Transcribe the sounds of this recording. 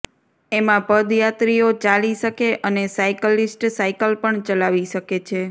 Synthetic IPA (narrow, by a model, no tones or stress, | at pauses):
emãpəd̪jat̪ɾiot͡ʃaliʃəkeʔənesaikəlisʈsaikəlpəɳt͡ʃəlaʋiʃəket͡ʃʰe